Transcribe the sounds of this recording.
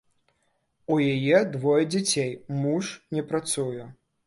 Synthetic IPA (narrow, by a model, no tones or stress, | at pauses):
ujajɛd̪vɔjɛd͡zʲat͡sʲejmuʂnʲɛpɾat̪sujɛ